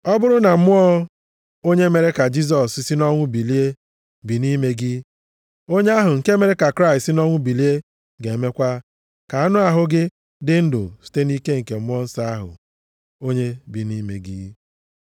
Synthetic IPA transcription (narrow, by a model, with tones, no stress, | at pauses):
ɔ˦bʊ˦ɾʊ˦na˨m̩˦mʊ˦ɔ˦ | o˦ɲe˦me˨ɾe˦ka˨d͡ʒi˦s̬ɔ˨ssi˦nɔ˦ŋʷʊ˦bi˨li˦e˦ | bi˨ni˦me˦ɡi˦ | o˦ɲe˦a˦ɦʊ˨ŋ̩˨ke˦me˨ɾe˦ka˨kɾa˦ɪ˨tsɪ˦nɔ˦ŋʷʊ˦bi˨li˦e˦ | ɡe˨e˨me˦kʷa˦ | ka˨a˦nʊ˦a˦ɦʊ˦ɡɪ˦ | dɪ˦n̩˦dʊ̰˨si̥˦te˦ni˦ke˦ŋ̩˨ke˨m̩˦mʊ˦ɔ˦n̩˦sa˦a˦ɦʊ̰˨ | o˦ɲe˦bi˨ni˦mḛ˨ɡḭ˦